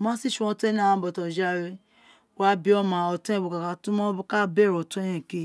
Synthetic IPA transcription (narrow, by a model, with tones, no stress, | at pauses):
mã˦si˦˨ʃu˧˦ɔ̃˧te˦n˦˨ã˨˧˦bɔ˨tɔ˨d͡ʒa˦ɾe˦ | wa˦bi˦ɔ˦mã˨ɔ˨tũ˦ɛ̃˦bu˨ka˨ka˨tũ˦mɔ̃˦bu˦ka˦be˦˨ɾɔ˨tũ˦e˦jɛ̃˦˨ke˦˨